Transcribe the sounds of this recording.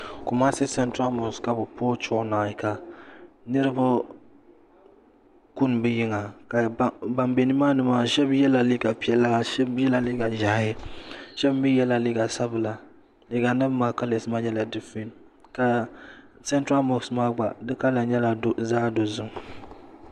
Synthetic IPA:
ku˨ma˦sɪ˦sɛ˦ntɾa˦lmɔ˨ska˨bʊ˨poː˦t͡ʃʊ˦˨ʊ˦na˨ɪ˨ka˨ | nɨ˦ɾɨ˦bʊ˦ | ku˦n˨bɨ˦jɪ˦ŋa˨ka˨ba˨mbe˨ni˦maː˦nɨ˨maː˦ʃɛ˦bjɛ˦la˨li˦ɡa˨pi˨ɛ˦lːa˦ʃɛ˦bjɛ˦la˨li˦ɡa˨ʒa˨˦ɪ˦ʃɛ˦bbi˦jɛ˦la˨li˦ɡa˨sa˦bɨ˨la˨ | li˦ɡa˨nɨ˦bmaː˨˦ka˦le˨sɨ˦ma˦ɲɛ˦la˨dɨ˦fi˦n | ka˨ | sɛ˦ntɾa˦mɔ˨ksmaː˦ɡ͡ba˨dɨ˦ka˦la˨ɲɛ˦la˨do˦zaː˦do˨zʊ˦ŋ

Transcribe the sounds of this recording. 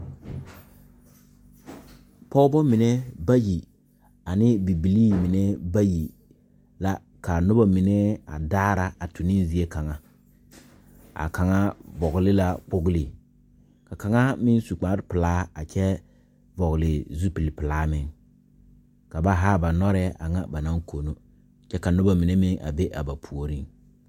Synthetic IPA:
pɔ˦bɔ˦mɪ˨nɛ˦ba˦ji˨ | a˨nɪ˦bi˨bi˨liː˦mɪ˨nɛ˦ba˦ji˨ | la˦ | ka˨nʊ˦ba˦mi˨nɛ˦a̰˨daː˦ɾa˨a˨tu˨ni˦zi˨e˦ka˨ŋa˦ | a̰˨ka˨ŋa˦vɔ˨ɣlɪ˦la˦k͡pʊ˦ɡlɪ˨ | ka˨ka˨ŋa˦mɪ˦n˦su˨k͡pa˨˦ɾɪ˦pɪ˨laː˦a˨t͡ʃɛ˦ | vɔ˨ɣlɪ˨zu˦pi˨lpɪ˨laː˦mɪ˦ŋ | ka˨ba˦ɦaː˦ba˨nɔ˦ɾɛ˦a̰˨ŋa̰˦ba˨na˦ŋko˨no˦˨ | t͡ʃɛ˦ka˨nʊ˦ba˦mi˨ne˦mɪ˦ŋa̰˨be˦ʔa̰˨ba˨pʰu˨o˨ɾi˦ŋ

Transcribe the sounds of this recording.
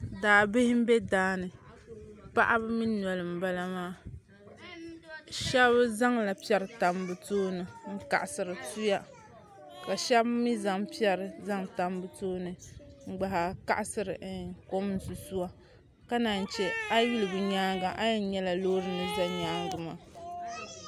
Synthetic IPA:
daː˨bɪ˦hɪ˦m̩˦bɛ˦daː˦nɨ˨ | pa̰˦ʔa˦bɨ˦mi˦nɔ˨lɨ˨m̩˨ba˦la˦maː˦ | ʃɛ˦βza˦ŋla˨pi˦ɛ˦ɾɨ˨ta˨m˦bɨ˨toː˦nɨ˨ŋ̩˦ka̰˨ʔa˨sɨ˨ɾɨ˨tu˦ja˦ | ka˨ʃɛ˦bmi˦za˨ŋpi˦ɛ˦ɾɨ˨za˦ŋta˨mbɨ˦toː˦nɨ˨ŋ͡m̩˦ɡ͡ba˨ɦa˨ka̰˦ʔa˨sɨ˨ɾɨ˨˦ko˦m˦n˨su˨su˦wa˦ | ka˦na˨n˨t͡ʃɛ˦a˦ji˦lɨ˨bɨ˨ɲaː˦ŋɡa˨ʔa˦jɛ˦˨˦ɲɛ˦la˨lo˦ɾɨ˨˦nɨ˦za˦ɲaː˦ŋɡɨ˨maː˨

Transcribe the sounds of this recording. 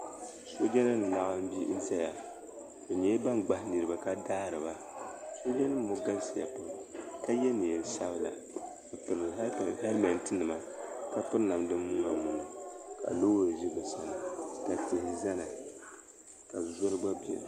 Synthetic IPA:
so˦d͡ʒɛ˦nɨ˦n˨la˦ʔa˦m̩˦bi˦n̩˦za˦ja˨ | o˨ɲɛ˦ba˦nɡ͡ba˨hni˨ɾɨ˨ba˨ka˦daː˦ɾɨ˨ba˦ | so˦d͡ʒɛ˦nɨ˦m˦mo˨ɡa˦n˦sa˨ja̰˨po˨ɾka˦jɛ˦ni˨jɛ˨n˨˦sa˦bɨ˦la̰˨ | ka˨pɨ˨ɾha˦lmɛ˨ntɨ˦nɨ˨ma˨ka˦pɨ˦ɾna˨mdɨ˦mː˦uː˦na˨nu˨nɨ˨ka̰˨loː˦ja˨zi˦bɨ˨sa˨nɨ˨ka˨tɪ˨hɪ˨za˦na˨ | ka˨zo˦ɾɨ˦ɡ͡ba˦bɛ̰˨

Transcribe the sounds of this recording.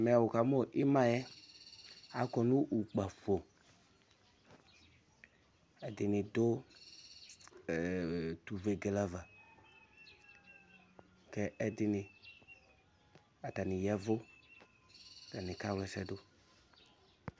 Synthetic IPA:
mɛ˨a˨wo˨ka˨mo˦ʔɪ˦mã˦jɛ˦ | a˨kɔ˨nũ˦ʔu˨k͡pa˨fo˨ | ɛ˨dɪ˨nɪ˨dʊ˦˨ | tu˨ve˨ɡe˨la˦va˨ | kɛ˦ɛ˦dɪ˨nɪ˨ | a˨ta˨nɪ˨jɛ˦vʊ˦˨ | ta˨nɪ˨ka˦wlɛ˨sɛ˦dʊ˦

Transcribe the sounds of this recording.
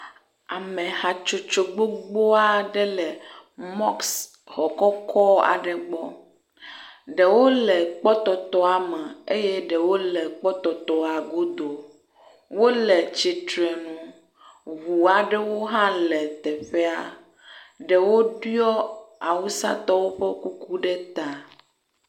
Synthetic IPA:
a˨mẽ˨ha˨t͡ʃo˨t͡ʃo˨ɡ͡bo˦ɡ͡bo˦a˦ɖɛ˦lɛ˨mɔ˦ks | hɔ˨kɔ˦kʰɔ˦a̰˨ɖɛ˨ɡ͡bɔ˦ | ɖe˨wo˦lɛ˨k͡pɔ˦t̪ɔ˨t̪ɔ˦a˨mɛ˨e˦je˦ɖe˨wo˦lɛ˨k͡pɔ˦t̪ɔ˨t̪ɔ˨a˨ɡo˦d̪o˨ | wo˦lɛ˨t͡ɕi˨t̪ɾe˨nũ˨ | βu˨a˨ɖɛ˦wo˦ɦã˦lɛ˨t̪ɛ˨ɸe˦a̰˨ | ɖɛ˨wo˦ɖu˦ɔ˦a˨wu˦sa̰˦t̪ɔ˦wo˦ɸe˦ku˦ku˦ɖɛ˦t̪a˨

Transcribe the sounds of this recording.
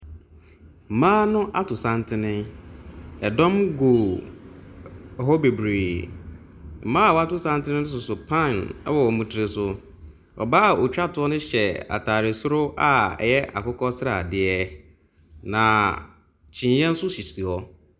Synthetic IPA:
m̩˨mãː˦nʊ̃˦ʔa˦tʰʊ˨sã˦ntʰɪ˦nɪ̃˦ | ɛ˨dɔ̃˦mɡo˨ | ho˦be˨bɾeː˨ | m̩˨mãː˦a˨wɔ˨˦a˦tʊ˦sã˦ntɪ˦nɪ̃˦nʊ̃˦s̬ʊ˨sʊ˨pʰã˦˨nɛ̰˦wɔ˨ɔ˨mũ˨tʰɪ˨ɾɪ˨sʊ˨ | ɔ̰˨baː˦˨o˨t͡ɕᶣɾa˦tʊ˨˦ɔ˦nʊ̃˦ɕɛ˨a̰˨tʰaː˨ɾɪ˨sʊ˦ɾʊ˦ʔa˦ɛ̰˨jɛ˦ʔa̰˨kʊ˦kʰɔ˦sɪ˦ɾa̰˨dɪ˦ɛ˦ | nã˨ | t͡ɕʰĩ˨jɛ̃˦n̩˦sʊ˦ɕi˨t͡ɕʰi˨ɔ˦

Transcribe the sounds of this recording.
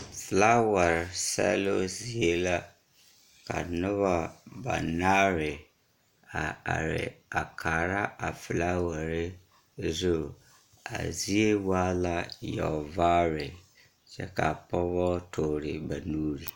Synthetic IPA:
fɪ˨la˦wa˨ɾsɛ̰˦lo˦zi˨e˦la˦ | ka̰˨nʊ˦βa˦ba̰˨na˦ɾɪ˨ | a˨a̰˨ɾɪ̰˨a˨kʰaː˨ɾa˦a˨fɪ˨la˦wa˨ɾɪ˦ | zo˦ | a̰˨zi˦e˦waː˦la˦jɔ̰˨vaː˦ɾɪ˨ | t͡ʃɛ˦ka˨pɔ˦βɔ˦tʰoː˨ɾɪ˨ba˨nuː˦ɾi˨

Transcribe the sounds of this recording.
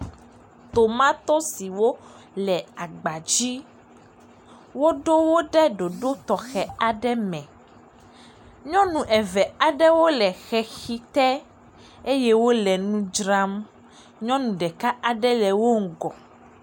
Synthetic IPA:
t̪o˨mã˦t̪o˦si˨wo˦ | lɛ˨a˨ɡ͡ba˨d͡ʑi˦ | wo˦ɖo˦wo˦ɖɛ˦ɖo˨ɖo˦t̪ɔ˨xɛ˨a˨ɖɛ˦mɛ̃˨ | ɲɔ̃˦nũ˨ʔɛ˨vɛ˨a˨ɖɛ˦wo˦lɛ˨xɛ˨xi˦t̪ɛ˦ | e˦jɛ˦wo˦lɛ˨nũ˦d͡ʒɾa˦m | ɲɔ̃˦nũ˨ɖɛ˨ka˦ʔa˨ɖɛ˦lɛ˨wo˦ŋ̩˨ɡɔ˨

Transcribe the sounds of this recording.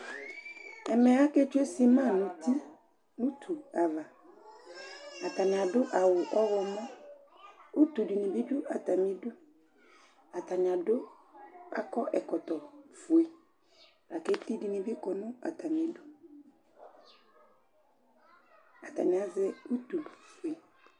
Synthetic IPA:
ɛ˨mɛ˨a˦ke˦t͡ʃu˦e˦si˦mã˦˨nũ˨ti˦ | nũ˦tʰu˨a˨va˨ | a˨ta˨nɪ˨a˨dʊ˦ʔa˨wʊ˨ʔɔ˦wɔ˨mɔ̃˦ | u˦tu˨di˨nĩ˨bi˦dʊ˦a˨ta˨mi˦du˦ | a˨ta˨nɪ˨a˨dʊ˦ | a˨kɔ˦ʔɛ˨kɔ˨tɔ˨fu˨i˨ | ɾa˨ke˦ti˦di˦nĩ˨bɪ˦kɔ˨nʊ̃˦a̰˨ta˨m˨i˨˦du˦ | a˨ta̰˨nĩ˨a˦zɛ˦u˦tu˨fu˨e˨

